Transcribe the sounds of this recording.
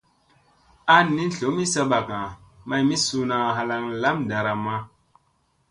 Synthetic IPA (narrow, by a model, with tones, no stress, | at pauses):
a˦ni˦n˨ɬo˨˦mi˦sa˦ɓa˨ka˨ma˨jmi˦su˦na˨ɦa˨la˨ŋla˦mda˨ɾa˨ma˦